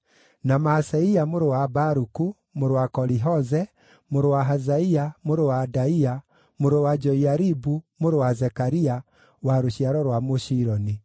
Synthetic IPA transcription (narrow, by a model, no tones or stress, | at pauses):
namasɛiamoɾowabaɾuku | moɾowakɔɾiɦɔzɛ | moɾowaɦazaiamoɾowadaia | moɾowad͡ʒɔiaɾibumoɾowazɛkaɾia | waɾoɕiaɾɔɾwamoʃiɾɔni